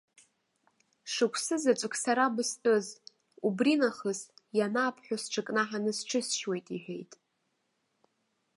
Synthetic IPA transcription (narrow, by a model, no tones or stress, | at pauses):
ʂɨkʷʰsɨzat͡ʃʷʼɨkʷʰsaɾabɨstʷʼɨz | ubrinaχəzjanaːpʰħʷᶣʊsʈ͡ʂʰɨkʼnaħanɨsʈ͡ʂʰɨsʃwe̞jtʼiħᶣejtʼ